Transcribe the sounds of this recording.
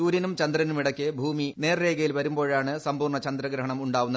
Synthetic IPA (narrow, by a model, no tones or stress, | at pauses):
uːɾɐnumt͡ɕɐnd̪ɾɐnumiɽɐkʲːɨbʱuːmine̞ːrːe̞ːɡɐjilʋɐɾumbo̞ːɻaːɳɨsɐmpuːrɳɐt͡ɕɐnd̪ɾɐɡɾɐɦɐɳɐmuɳɖaːʋunːɐ